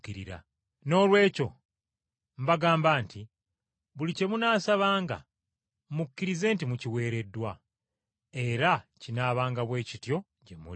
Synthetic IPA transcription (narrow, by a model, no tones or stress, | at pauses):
kiɾḭɾa̰ | no̞ːlwe̞ːco̞ | mbaɡaːmbaːnti | βulice̞munaːsaβaːŋɡa̰ | mukːiɾize̞ːntimuciwe̞ːɾe̞dːwa | e̞ɾacinaːβaːŋɡaβwe̞ːcitjo̞ | ɟemṵ